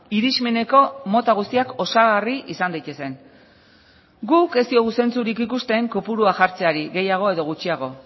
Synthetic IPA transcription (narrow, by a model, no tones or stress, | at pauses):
iɾizme̞ne̞ko̞mo̞t̪aɣ̞ust̪iako̞saɣ̞ariʔisand̪ajt̪e̞se̞n | ɡuke̞st̪io̞ɣuse̞nt͡suɾikikust̪e̞ŋkopuɾuaʝaɾt͡se̞aɾiɣe̞jaɣ̞o̞e̞ðo̞ɣ̞ut͡ʃiaɣ̞o̞